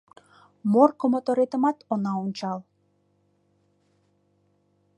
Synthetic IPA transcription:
morkomot̪oɾet̪əmɑt̪onɑunʲt͡ʃɑlˠ

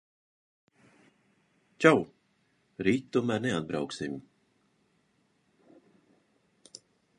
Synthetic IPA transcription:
t͡ʃaw | ɾiːt̪t̪ːuɔmæɾnɛad̪̚bɾa̰wksim

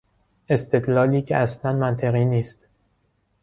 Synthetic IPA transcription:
e̞st̪e̞d̪lɒːliːcʰeʔæslænmænt̪ʰeɣiːniːst̪

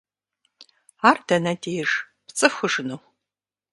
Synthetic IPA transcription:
aːrdɐnɐdeːjʐ | pt͡sʼɨfxʷʊʐɨnuː

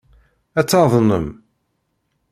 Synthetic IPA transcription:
æt͡sːɑðˤnəm

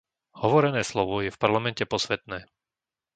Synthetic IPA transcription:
hɔʋɔɾɛnɛːslɔʋɔjɛfpaɾlamɛncɛpɔsʋɛt̪nɛː

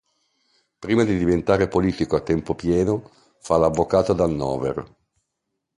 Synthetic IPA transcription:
pɾiːmad̪id̪ivent̪aːɾepoliːt̪ikoat̪ːɛmpopjɛːno | falavːokaːt̪od̪anːɔ̰ːvḛr

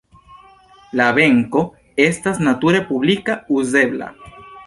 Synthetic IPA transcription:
laβeŋko | est̪asnat̪uɾepuβlikauzeβla̰

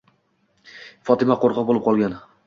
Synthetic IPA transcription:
fɒt̪ɪmaqoɾqʰɑbolˠɪp̚qʰɒlˠɡʲan

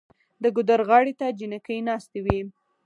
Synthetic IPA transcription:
d̪əɡʊd̪aɾɣɑɽet̪ad͡ʒinakəjnɑst̪ewi

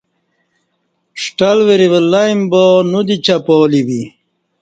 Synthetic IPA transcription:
ʂʈɐlweɾiwəlːaimbonud̪it͡ɕapoːliwi

